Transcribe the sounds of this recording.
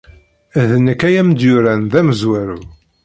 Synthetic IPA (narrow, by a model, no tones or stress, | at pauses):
ðnəkæjæmd̪jʊɾænðæməzwæɾu